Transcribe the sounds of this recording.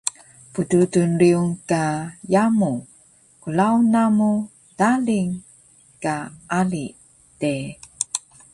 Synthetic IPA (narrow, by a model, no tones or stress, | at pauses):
pududunɾiuŋkajamu | kulaunamu | d̥aliŋ | kaali | te